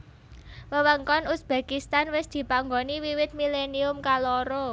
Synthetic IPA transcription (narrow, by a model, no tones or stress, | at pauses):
wəwəŋkɔnʊsb̥a̤kist̪anwɪsd̪̥i̤paŋɡoniwiwɪt̪̚mileniʊmkaloɾo